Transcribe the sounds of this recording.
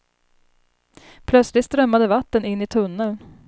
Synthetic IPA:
pʰlœt̪slɪt̪st̪ɾœmːad̪əvat̪ːənɪnːɪt̪ʰɵnːəl

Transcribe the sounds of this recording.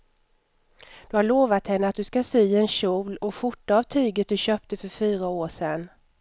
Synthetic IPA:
d̪̥ɵhaɭoːvat̪hɛnːəat̪̚d̪ɵskasyːɛnɕuːlɔɧʊʈːaavt̪ʰyːɡət̪̚d̪ɵɕøːp̚t̪əfœɾfyːɾaoːʂɛnː

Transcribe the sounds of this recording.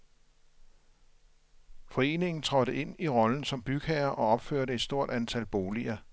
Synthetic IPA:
fɒ̽e̝̰ːne̝ŋn̩t͡sʰʁɒ̽ɾ̥əʔe̝n̰iʁɒ̽ln̩sɒ̽mb̥yɡ̥ʰɛɐʔɒ̽ɒ̽b̥føɐɾəe̝d̥sd̥o̝ɐ̰d̥ænt͡sʰælb̥o̝ːliɐ

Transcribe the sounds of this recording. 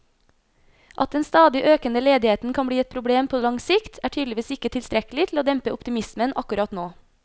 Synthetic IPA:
ʔɑ̰t̪̚d̪ɛnst̪ɑːd̪ɪʔøːkənəleːd̪ɪheːt̪n̩kʰɑnbɽiːɛt̪̚pʰɾʊbɽeːmpʰoːlɑŋsɪkt̪ʰæːʈʰyːd̪lɪʋiːsɪkət̪ʰɪlst̪ɾɛkəlɪt̪ʰl̩oːd̪ɛmpəʊpt̪ɪmɪsmənʔɑkʉɾɑt̪noː

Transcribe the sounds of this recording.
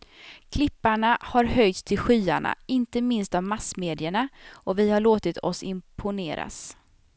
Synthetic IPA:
kʰlɪpːaɳahaɾhœjt̪st̪ʰɪlɧyːaɳa̰ɪnt̪əmɪnst̪avmasmeːd̪ɪəɳaʔɔvɪhaɭoːt̪ɪt̪ʰɔ̰sɪmpʰʊneːɾa̰s

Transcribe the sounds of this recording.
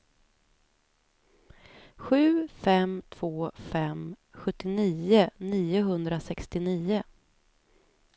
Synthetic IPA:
ɧʉ̟ːfɛmt̪ʰv̥oːfɛm | ɧɵt̪ːɪniːʊniːʊɦɵnd̪ɾasɛkst̪ɪniːʊ

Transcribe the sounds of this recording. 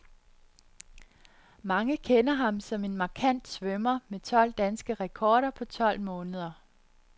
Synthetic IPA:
mɑ̈ŋəkʰenɐɦɑ̈msɒ̽me̝nmɑ̈kʰæn̰d̥sʋœmɐmet͡sʰɒ̽l̰d̥ænsɡ̥əʁɛkʰɒːɾ̥ɐpʰɒ̽t͡sʰɒ̽l̰mɔ̽ːnəð̞ˠɐ

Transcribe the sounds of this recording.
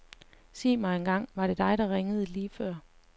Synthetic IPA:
sḭːmɑ̈ɪenɡ̥ɑ̈ŋ̰ʋɑ̈ɾ̥e̝d̥ɑ̈ɪɾɑ̈ʁeŋəð̞̩ˠəliːfɶɐ̰

